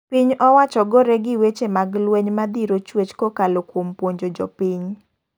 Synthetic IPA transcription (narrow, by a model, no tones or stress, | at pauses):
piɲɔwat͡ʃɔɡɔɾɛɡɪwet͡ʃemaɡlwɛɲmad̪iɾot͡ʃwet͡ʃkokalokwompwoɲd͡ʒod͡ʒɔpiɲ